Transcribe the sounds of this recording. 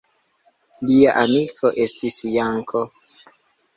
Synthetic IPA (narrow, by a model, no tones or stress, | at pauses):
liaʔamikʰo̞ʔe̞stisjaŋkʰo